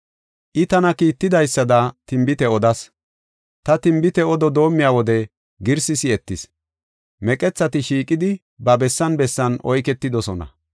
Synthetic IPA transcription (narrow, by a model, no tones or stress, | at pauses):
ʔɪt̪ɐnɐkiːt̪ːɪd̪ɐjsːɐd̪ɐt̪ɪmbɪt̪ɛɔd̪ɐs | t̪ɐt̪ɪmbɪt̪ɛɔd̪ɔd̪o̞ːmːɪjawɔd̪ɛ | ɡɪɾsɪsɪɛt̪ːɪs | mɛkʼɛt͡sːɐt̪ɪʃiːkʼɪd̪ɪ | bɐbɛsːɐnbɛsːɐnɔjkɛt̪ːɪd̪ɔsɔnɐ̰